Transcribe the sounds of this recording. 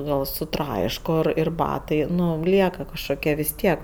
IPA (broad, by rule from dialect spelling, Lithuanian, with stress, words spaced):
ˈɡɐlˠ sʊˈtrɐɪʃkoː ˈɪr ɪr ˈbɑːtɐɪ ˈnʊ ˈlʲiɛkɐ kɐʃkoːˈkʲɛ ʋʲɪs ˈtʲiɛk